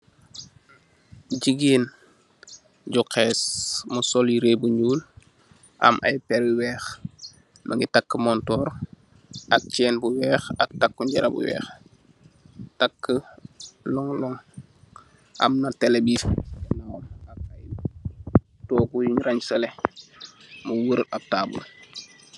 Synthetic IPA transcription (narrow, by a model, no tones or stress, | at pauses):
ɟiɡeːn | ɟukesmusɔljiɾeːbuɲuːl | ʔa̰mʔa̰jpɛɾiwɛːx | maŋɡitakːəmɔntɔːɾ | ʔak̚t͡ʃɛːnbuwɛːxak̚takːuɲɟɐɾa̰bṵwɛ̰ːx | takːə | lɔŋlɔŋ | a̰mnatelebiːfɛnaŋɔmak̚aj | tɔːkujiɲɾaɲsɐle | muwəɾab̚taːbṵl